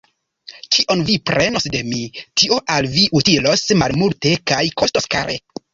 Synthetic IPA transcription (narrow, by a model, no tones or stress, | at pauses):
kiʔo̞nvipɾʔe̞no̞sde̞mitio̞ʔalviʔutilo̞smalmulte̞kajko̞stoska̰ɾʔḛ